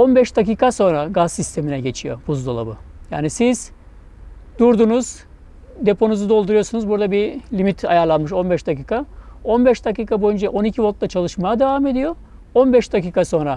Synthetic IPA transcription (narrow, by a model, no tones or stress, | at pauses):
o̞nbɛʃd̪aciːkʰaso̞nɾaɡazsist̪ʰe̞minɛɟe̞t͡ʃʰijo̞̰buzd̪olˠa̰bɯ̰ja̰ːnisiz̥ | d̪uɾd̪unuz̥ | d̪e̞pʰo̞nuzud̪o̞lˠd̪uɾujo̞sunuzbuɾd̪abilʲimit̪ʰajaɾlˠanmɯʃo̞nbɛʃd̪aciːkʰao̞nbɛʃd̪aciːkʰabo̞jynd͡ʒaʔo̞nicʰivot̪lˠat͡ʃʰalˠɯʃmajad̪e̞vame̞d̪ijo̞ | o̞nbɛʃd̪aciːkaso̞nɾa